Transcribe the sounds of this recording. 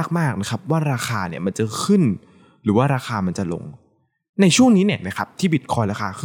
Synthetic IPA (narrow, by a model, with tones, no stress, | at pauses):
k̚maː˥˩k̚na˦˥kʰa˦˥p̚waː˥˩ɾaː˧xʰaː˧ni˥˩ɐma˧nt͡ɕa˧kʰɯ˥˩n | ɾɯː˩˦waː˥˩ɾaː˧xʰaː˧ma˧nt͡ɕa˨˩lo̰˧ŋ | na˧jt͡ɕʰu˥˩əŋniː˦˥ni˥˩ɐna˦˥kʰa˦˥p̚t̪ʰiː˥˩bi˨˩kʰɔː˧jɾaː˧xʰaː˧ɯ˦˥˩